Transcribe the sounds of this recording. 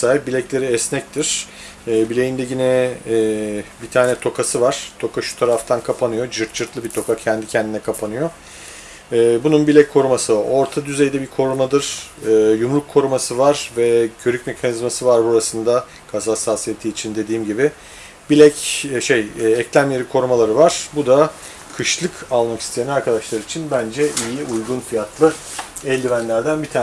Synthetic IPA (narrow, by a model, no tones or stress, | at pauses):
saːip̚bilʲɛclʲe̞ɾiɛsnɛc̚t̪ʰiɾ̥ː | bilʲe̞jind̪ɛɟinɛː | bit̪ʰaːnɛt̪ʰo̞kʰasɯvaɾ̥t̪ʰo̞kaʃu̥t̪ʰaɾaft̪ʰankʰapʰanɯjo̞d͡ʒɯɾt̪̚d͡ʒɯɾt̪lˠɯbit̪ʰo̞kacʰɛnd̪icʰɛnd̪inɛkʰapʰanɯjo̞ | bununbilʲɛckʰo̞ɾumasɯo̞ɾt̪ʰad̪yzejd̪ɛbikʰo̞ɾumad̪ɯɾ̥ɯːjumlˠukʰːo̞ɾumasɯvaɾvɛcʰø̞ɾycme̞kʰanizmasɯvaɾbuɾasɯnd̪a | kʰazaasaːsijet̪ʰiːt͡ʃʰind̪e̞d̪iːmɟibɪ | bilʲɛcːʃejɛclʲæmjeɾikʰo̞ɾumalˠaɾɯvaɾ̥bud̪a | kʰɯʃlˠɯkʰalˠmakʰi̥st̪ʰijanaɾkʰad̪aʃlˠaɾɯit͡ʃʰinbænd͡ʒɛʔijiʔujɡunfijat̪ʰlˠɯ | ɛlʲd̪ivænlʲæɾd̪ænbit̪ʰa